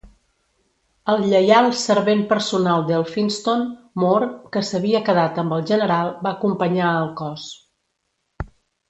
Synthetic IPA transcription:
əlˠʎəjalˠsəɾβempəɾsunalˠd̪elˠfinst̪on | moɾkəsəβ̞iəkəðat̪əmbəlˠʒənəɾalˠbaəkumpəɲaəlˠkɔs

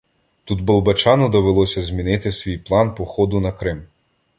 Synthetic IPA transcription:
t̪ud̪bɐlˠbɐt͡ʃɑnɔd̪ɔʋelˠɔsʲɐzʲmʲinɪt̪ɪsʲʋʲijplˠɑnpɔxɔd̪ʊnɐkɾɪm

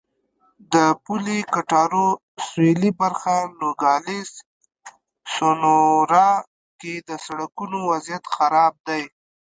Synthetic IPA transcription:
d̪əpulikaʈɑɾo | swelibaɾxaloɡɑlis | sonoɾɑ | ked̪əsaɽakunowazjat̪xaɾɑb̚d̪aj

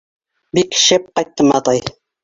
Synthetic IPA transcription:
bikʃep̚qɑjt̪ːɤmɑt̪ɑj

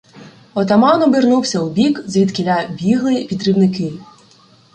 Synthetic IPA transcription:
ɔt̪ɐmɑnɔbɪrnuwsʲɐubʲikzʋʲid̪kɪlʲabʲiɦlˠɪpʲid̪ɾibnɪkɪ

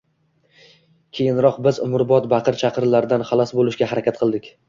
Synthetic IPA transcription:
kʲʰe̞jɪnɾɒqbɪzʊ̰mʊɾbɒt̪baqʰɨɾt͡ʃʰaqʰɨɾlaɾɪd̪anχɑlˠɒsbolˠɪʃɡʲaɦaɾakʲat̪̚qʰɨlˠd̪ɪkʲ

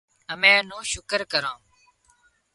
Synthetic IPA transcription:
əmẽːn̤ũːʃʊkəɾkəɾãː

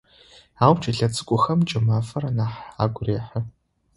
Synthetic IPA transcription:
aːwt͡ʃʼɐɮɐt͡sʼɨ̥kʷʼʊxɐmt͡ʃʼɪmaːfɐrɐnaːħa̰ːɡʷreːħɐ

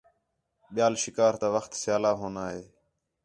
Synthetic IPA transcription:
ɓɪjaːlʃɪkaːɾt̪ãːʋəxt̪sɪjaːlaːɦoːnaːɦeː

